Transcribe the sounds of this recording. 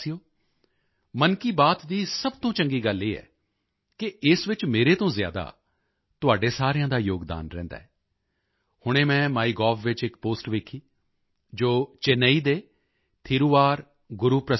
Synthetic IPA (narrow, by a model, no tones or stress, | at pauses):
ioː | mənkiːbaːt̪d̪iːsəbt̪õːt͡ʃəŋɡiːɡəliːɛ̰ː | kɪɪsʋɪt͡ʃmeːɾeːt̪õːzja̰ːd̪a̰ː | t̪ʊaːɖeːsaːɾɪjãːd̪aːjoːɡd̪a̰ːnɾɛ̰̃ːnd̪a̰ːɦɛː | hʊɽ̃eːmɛ̃ːmaːiːɡɔːbʋɪt͡ʃɪkpoːsʈʋeːkʰiː | d͡ʒoːt͡ʃenəiːd̪eː | t̪ʰiːɾuːʋaːɾ | ɡʊɾuːpɾə